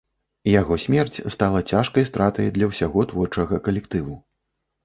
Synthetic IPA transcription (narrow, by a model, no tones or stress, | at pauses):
jaɣɔsʲmʲɛrt͡sʲst̪alˠɐt͡sʲaʂkɐjst̪ɾat̪ɐjd̪lʲɐwsʲaɣɔt̪vɔrt͡ʂɐɣɐkɐlʲɛkt̪ɨvu